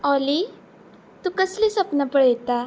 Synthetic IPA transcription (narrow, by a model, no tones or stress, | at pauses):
ɔli | t̪ũkəslisəpnapəɽet̪a